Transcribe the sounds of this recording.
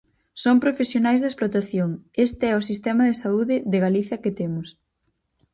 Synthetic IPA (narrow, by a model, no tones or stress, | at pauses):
sompɾofesjonajzðesplot̪aθjoŋest̪eɛʊs̬ist̪ɛmɐðesauðɪðeɣaliθjɐkɪt̪emʊs